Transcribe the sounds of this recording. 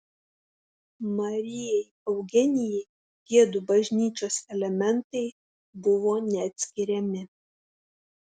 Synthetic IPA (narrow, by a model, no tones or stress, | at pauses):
mɐɾʲɪjɛɪ | ɐʊɡʲɪnʲɪjɛɪ | ɡʲiɛd̪ubɐʒʲnʲiːt͡ʃʲoːsɛlʲɛmʲɛnt̪ɐɪ | bʊʋoːnʲɛɐt̪ʲsʲkʲɪɾʲɛmʲɪ